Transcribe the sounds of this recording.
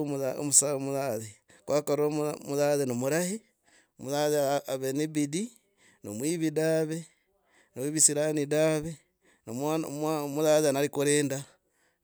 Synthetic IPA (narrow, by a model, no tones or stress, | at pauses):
uðao̰musaomuðaðe | kwʔaːkaɾomuðaðenomuɾahi | omuðaðeaβenibidi | nomwiːβidaːβe | noβisiɾanidaβe | nomamamuðaːðeanaɾikuɾeːnda